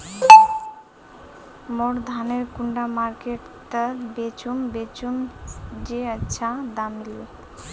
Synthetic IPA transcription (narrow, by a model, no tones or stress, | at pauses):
moɽd̪ʱaneɾkuɳɖamaɾkeʈ | t̪əbet͡ʃumbet͡ʃumd͡ʒeətːʃʰãd̪amil